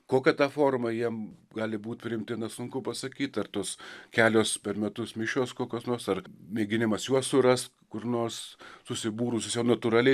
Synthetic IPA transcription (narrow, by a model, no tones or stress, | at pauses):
koːkʲɛt̪ɑːfoːrmɐjiɛmɡɑːlʲɪbuːt̪ʲpʲɾʲɪɪmʲt̪ʲɪnʲɐsʊŋkʊpɐsɐkʲiːt̪ɐrt̪oːskʲæːlʲoːspʲɛɾmʲɛt̪ʊsmʲɪʃʲoːskoːkʲoːsnoːrsɐrmʲeːɡʲɪnʲɪmɐsjuɔsʊɾɐst̪ | kʊrnoːrssʊsʲɪbuːɾʊsʲɪsjɛʊnɐt̪uɾɑːlʲɛ